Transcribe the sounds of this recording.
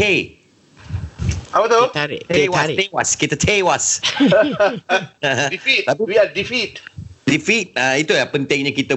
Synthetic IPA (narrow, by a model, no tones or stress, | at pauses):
e | awat̪oaḭewasewaskit̪ət̪ʰewas | ɦdifit̚t̪aiwiadifit̚difit̪̚ait̪ujapənt̪ɪ̃ŋɲãkit̪ə